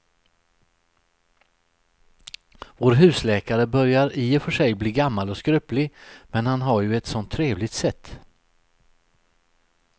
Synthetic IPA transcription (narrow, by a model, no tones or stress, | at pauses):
voːɾɦʉ̟ːslɛːkaɾəbœɾjaɾiːɛfœʂɛjbliːɡamːalɔskɾʉplɪmɛnhanɦaɾjɵɛt̪sɔnt̪ʰːɾeːvlɪɡt̪sɛt̪ː